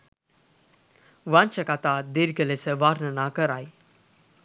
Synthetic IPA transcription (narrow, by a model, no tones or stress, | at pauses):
ʋant͡ʃʰəkat̪ad̪iɾkəlesəʋaːɾnənakəɾaːj